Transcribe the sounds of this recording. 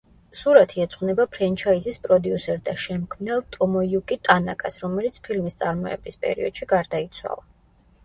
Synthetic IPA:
suɾat̪ʰiɛt̪sʼχʼwnɛbapʰɾɛnt͡ʃʰaizispʼɾɔd̪iusɛɾd̪aʃɛmkʰmnɛlˠt̪ʼɔmɔjukʼit̪ʼanakʼasɾɔmɛlit̪sʰpʰilmist̪sʼaɾmɔɛ̰bispʼɛ̰ɾḭɔd̪̥ʃiɡaɾd̪ait̪sʰwa̰lˠa

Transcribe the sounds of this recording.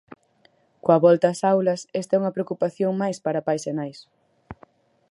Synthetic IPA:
koɐβɔlt̪ɐːsawlɐsɛst̪ɛuŋɐpɾeokupaθjoŋmajspaɾɐpajsenajs

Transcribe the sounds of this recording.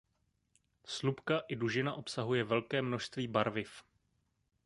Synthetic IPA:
slupkaʔɪduʒɪnaʔo̞psaɦujɛvɛlkɛːmno̞ʃst̪viːbaɾvɪf

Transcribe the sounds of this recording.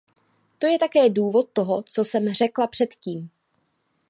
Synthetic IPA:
t̪o̞jɛt̪akɛːduːvo̞t̪̚ːo̞ɦot͡so̞sɛmr̝ɛklapr̥ɛt̪ciːm

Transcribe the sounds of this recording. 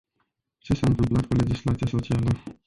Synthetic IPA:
t͡ʃe̞saɨnt̪ɨmplat̪̚kule̞d͡ʒislat̪sijaso̞t͡ʃialə

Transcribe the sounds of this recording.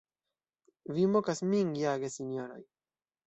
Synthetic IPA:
vimokasmiŋɡjaɡesinoɾo̰j

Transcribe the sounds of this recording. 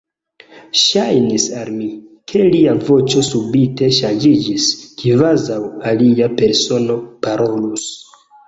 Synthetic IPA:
ʃajnisalmikʰe̞liavo̞t͡ʃo̞subite̞ʃand͡ʒid͡ʒiskvazawaliape̞ɾso̞no̞paɾo̞lus

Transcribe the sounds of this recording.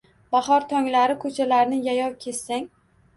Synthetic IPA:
b̥ahɒɾt̪ʰɒŋlaɾɪkʰɵt͡ʃʰalaɾnɪjajɒwkʲʰe̞ssːaŋ

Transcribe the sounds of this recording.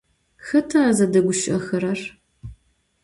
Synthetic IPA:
xɐtʰaːzɐdɐɡʷʊʃʔɐxɐɾɐr

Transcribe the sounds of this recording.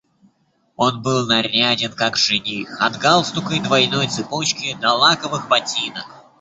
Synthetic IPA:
o̞nbɨlˠnɐrʲadʲɪnkakʐɨnʲixɐd̪ɡalˠst̪ʊkəjd̪vɐjnojt̪sɨpot͡ɕkʲɪnɐlˠakəvɨxbɐtʲinək

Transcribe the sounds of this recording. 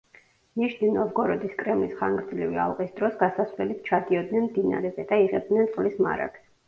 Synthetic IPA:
niʃninɔvɡɔɾɔd̪iskʼɾɛmlisχa̰ŋɡɾd̪zlivia̰lˠqʼisd̪ɾɔsɡasasvlɛlit̪̚ʰt͡ʃʰad̪iɔd̪nɛnmd̪ina̰ɾɛzɛd̪aiʁɛb̚d̪nɛnt̪sʼqʼlisma̰ɾa̰ɡ̥s

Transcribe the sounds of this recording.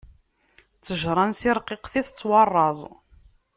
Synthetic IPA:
t͡sːəʒɾˤɑnsiɾˤqːɪqθiθt͡sːwɑrˤːɑzˤ

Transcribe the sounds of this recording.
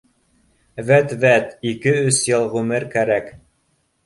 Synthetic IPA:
væt̪væt̪ikɘɵsjɤ̆lˠʁʉmɘɾkæɾæk

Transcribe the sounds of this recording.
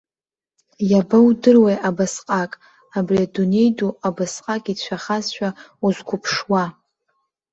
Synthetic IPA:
jabawdɨrwejʔabasqʼakʼ | abriadune̞jduabasqʼakʼit͡ɕʷʰaχazʃᶣauzkʷʰʊpʰʂwa

